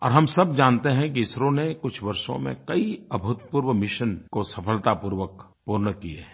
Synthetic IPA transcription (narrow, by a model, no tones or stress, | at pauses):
ɔ̰ːɾɦɐmsɐb̚d͡ʒaːnt̪eɦɛ̃kiɪsɾõnekʊt͡ʃʰʋɐɾʃõ̰mḛ̃kɐiɐbʱʊt̪̚puːɾwəmɪʃənkosɐpʰəlt̪apuːɾʋək | puːɾnəkiḛ